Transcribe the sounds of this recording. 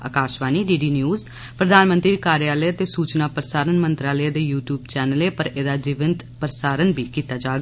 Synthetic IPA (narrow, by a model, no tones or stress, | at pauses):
ə̰kaːʃʋaːniːɖiːɖiːnjuːz | pɾəd̪aːnmənt̪ɾiːd̪ikaːɾjaːləət̪eːsuːt͡ʃnaːpɾəsaːɾənmənt̪ɾaːləd̪eːjuːʈjuːbt͡ʃɛːnəleːpəɾeːd̪aːd͡ʒɪʋənt̪pɾəsaːɾənbʱiːkiːt̪aːd͡ʒaːɡa